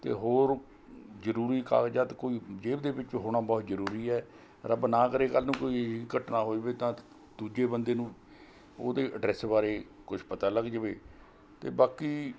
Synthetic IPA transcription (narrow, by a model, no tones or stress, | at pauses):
t̪ḛːɦoːɾ | zəɾuːɾiːka̰ːɡd͡ʒaːt̪koːiːd͡ʒeːbd̪eːbɪt͡ʃʋiːɦoːɽ̃aːbɔːt̪zəɾuːɾiːɛː | ɾəbnãːkəɾeːkəlːnũːkoːiiɡəʈnaːɦoːd͡ʒʋeːt̪ãː | d̪uːd͡ʒeːbənd̪eːnũː | oːd̪eːʔəɖɾɛːsbaːɾeːkʊt͡ʃʰpət̪aːləɡd͡ʒəʋḛː | t̪ḛːbaːkiː